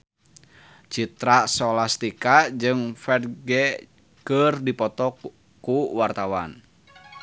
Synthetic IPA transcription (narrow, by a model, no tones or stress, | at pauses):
t͡ʃit̪ɾasɔlast̪ikad͡ʒɨŋfɛd̚ɡɛ | kərdipɔt̪ɔ | kuwart̪awa̰n